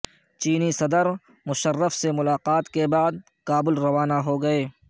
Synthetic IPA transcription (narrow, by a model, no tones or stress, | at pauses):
t͡ʃiːnisɐd̪əɾ | mʊʃərːəfsemʊlaːqaːt̪kebaːd̪̚ | kaːbɪlɾɐʋaːnaɦoɡɐeː